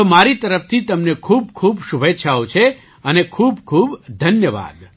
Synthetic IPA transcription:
maɾit̪əɾəft̪ʰit̪əmnekʰuːb̚kʰubʃubetːʃʰaot͡ʃʰe | ənekʰuːbkʰubd̪ʱənjəʋa̰ːd̪

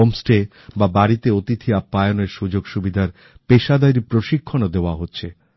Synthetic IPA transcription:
omsʈe | babaɾit̪eot̪it̪ʰiapːajoneɾʃud͡ʑoɡʃubid̪ʱaɾ | peʃad̪ajɾipɾoʃikʰːonod̪eoaɦotːɕʰe

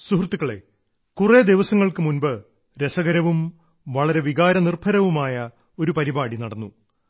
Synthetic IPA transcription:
suɦrt̪ːukːɐɭe̞̰ | kured̪iʋɐsɐŋːɐɭkɨmunbɨ | ɾe̞sɐɣɐɾɐʋum | ʋɐɭɐɾe̞ʋiɣaːɾɐnirbʰʱɐɾɐʋumaːjɐ | o̞ɾupɐɾibaːɽinɐɽɐnːu

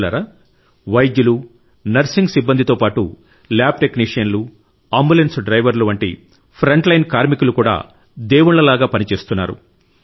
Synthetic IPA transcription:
lɐ̰ɾɐ | ʋɐjd̪julu | nɐɾsiŋɡsibːɐnd̪ʱit̪o̞ːpaːʈu | laːb̚ʈekniːʂijɐnlu | aːmbulensɖɾɐjʋɐɾluʋɐɳʈḭ | pʰɾɐɳʈlɐjnkaːɾmikulukuːɽa̰ː | d̪ɛːwuɳlɐlaːɡaːpɐnit͡ʃe̞ːst̪unːa̰ːɾṵ

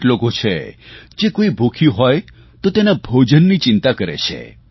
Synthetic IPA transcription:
lokot͡ʃʰḛd͡ʒekoibʱokʰiɦɔj | t̪ot̪enabʱod͡ʒənːit͡ʃint̪akəɾḛt͡ʃʰḛ

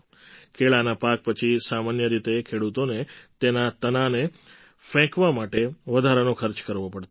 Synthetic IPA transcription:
kʰeɭanapak̚pət͡ʃʰisamanjəɾit̪ekʰeɽut̪onet̪enat̪ənane | fɛ̃kʋamaʈeʋəd̪ʱaɾanokʰəɾt͡ʃkəɾʋopəɽt̪

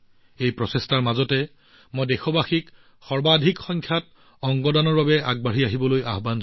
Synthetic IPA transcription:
ejpɹɔsestaɹmazɔtɛ | mojdɛxɔbaxik | xɔɹbadʱikxɔŋkʰjat | ɔŋɡɔdanɔɹbabɛaɡ̚baɹiaɦibɔlojaɦban

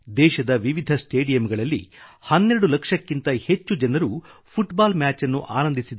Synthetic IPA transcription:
d̪ɛːʃɐd̪ɐʋiʋid̪ʱɐsʈeːɖijɐmɡɐɭɐlːḭhɐnːeɾɐɽulɐkʂɐkːint̪ɐhe̞t͡ʃːud͡ʒɐnɐɾupʰuʈbaːlmʲaːt͡ʃɐnːuʔaːnɐnd̪ʱisid̪u

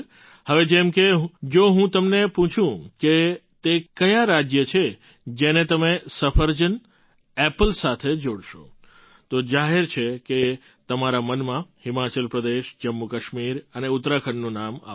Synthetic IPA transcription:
həʋed͡ʒɛmkeɦd͡ʒoɦũt̪əmnepũt͡ʃʰũket̪ekəjaɾad͡ʒjət͡ʃʰe | d͡ʒenet̪əmesəfʰəɾd͡ʒən | ɛpəlsat̪ʰed͡ʒoɽʃo̰ | t̪od͡ʒaɦeɾt͡ʃʰeke | t̪əmaɾamənmãhɪmat͡ʃəlpɾəd̪eʃd͡ʒəmːukəʃmiɾəneʊt̪ɾakʰəɳːũnama̰

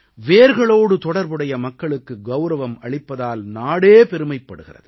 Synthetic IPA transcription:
ʋeːɾɣɐɭoːɽɯt̪ɔɽɐɾbɯɽɐjɐmɐkːɐɭɯkːɯɡɐʊɾɐʋɐmɐɭɪpːɐðaːlnaːɽeːpɛɾɯmɐɪpːɐɽɯɣɪrɐ̰ðɯ

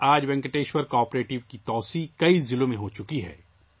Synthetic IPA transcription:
aːd͡ʒbɛ̃ŋkəʈeːʃwɐɾkɔːɾpɾeːʈɪʋkit̪ɔːsikɐizɪlõmẽɦot͡ʃʊkiɦɛ̰ː

